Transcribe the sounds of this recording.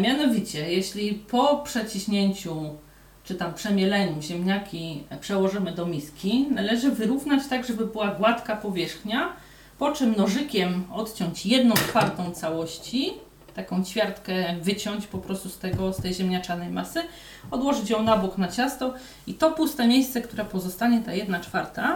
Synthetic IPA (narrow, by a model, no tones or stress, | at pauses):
mʲjanɔvʲit͡ɕɛjɛɕlʲipʰɔpʂɛt͡ɕiɕɲeɲt͡ɕu | t͡ʂɘt̪ampʂɛmʲjɛlɛɲuʑɛmɲakʲipʂɛwɔʐɘmɘd̪ɔmʲiskʲinalɛʐɘvɘɾuvnat͡ɕt̪aɡʐɛbɘbɘwaɡwat̪kapɔvʲjɛʂxɲa | pɔt͡ʂɘmnɔʐɘkʲɛmɔt̪t͡ɕɔ̃ɲt͡ɕjɛd̪nɔ̃w̃t͡ʂfaɾt̪ɔ̃w̃t̪sawɔɕt͡ɕi | t̪akɔ̃w̃t͡ɕfʲjaɾt̪kɛvɘt͡ɕɔwɲt͡ɕpɔpɾɔst̪ust̪ɛɡɔst̪ɛjʑɛmɲat͡ʂanɛjmasɘ | ɔd̪wɔʐɘt͡ɕjɔ̃w̃nabuknat͡ɕast̪ɔ | it̪ɔpust̪ɛmʲjejssɛkt̪uɾɛpɔzɔst̪aɲɛt̪ajɛd̪nat͡ʂfaɾt̪a